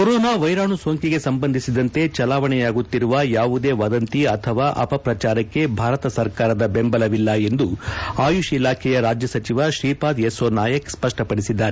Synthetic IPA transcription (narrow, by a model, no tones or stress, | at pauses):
koɾoːnaːʋɐjɾaːɳuso̞ːŋkiɡe̞sɐmbɐnd̪ʱisid̪ɐnt̪e̞t͡ʃɐlaːʋɐɳɛjaːɡut̪ːiɾuʋɐjaːʋud̪e̞ːʋɐd̪ɐnt̪iɐt̪ʰɐʋaːʔɐ̰pɐpɾɐt͡ʃaːɾɐkːe̞bʱaːɾɐt̪ɐsɐɾkaːɾɐd̪ɐbe̞mbɐlɐʋilːɐe̞nd̪uaːjuʃilaːkʰɛjɐɾaːd͡ʒjɐsɐt͡ʃiʋɐʃɾiːpaːd̪esoːnaːjɐkspɐʂʈɐpɐɽisid̪ːaːɾe